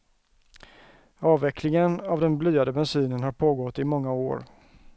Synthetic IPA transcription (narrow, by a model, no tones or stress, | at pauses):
ɑːvɛkʰlɪŋənavd̪ɛnblyːad̪əbɛnsyːnənɦhaɾpʰoːɡɔt̪ːɪmɔŋːao̰ːɾ